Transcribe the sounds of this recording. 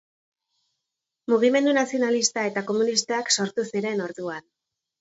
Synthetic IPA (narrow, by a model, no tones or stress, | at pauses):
muɣ̞ime̞nd̪unasio̞nalist̪ae̞t̪ako̞munist̪aakso̞ɾt̪usiɾe̞no̞ɾðuan